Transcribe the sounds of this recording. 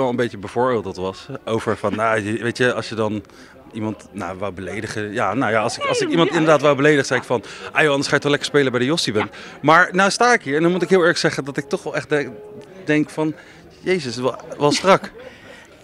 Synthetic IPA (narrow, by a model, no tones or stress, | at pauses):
ʋɛlˠənmbejtəbəvʊːɹbeːlˠt̚dɑtʋɑsowvəɹfɑnjajʋejtəɑsjədɑn | imɑntnaʋɛlbəlejdəχəjaːnowjaːɑlˠsɪkɑlˠsɪkimɑntɪndəɹdaːtʋɛlˠbəlejdəχsɛjɪkfɑnʔaːjoɑndəsχaːɪk̚tɔχlɛkə̥ɹspejləbɛjdəjɔsibɛnmaːɹnawstaːɪkɦiːɹɛndɔnmutɪkɦɪːlˠɛɹχsɛχəndɑtɪk̚tɔχʋɛlˠɛχt | dɛŋkfɑn | jejzəsʋɛlˠstrɑk